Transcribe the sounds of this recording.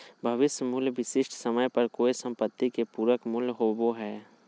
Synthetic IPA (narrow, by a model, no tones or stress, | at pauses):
bʱɐʋɪsjmuːlʋɪsɪʃʈʰsəməjpɐɾkoːisə̃mpət̪ːikepuːɾəkmʊlɦoboɦɛː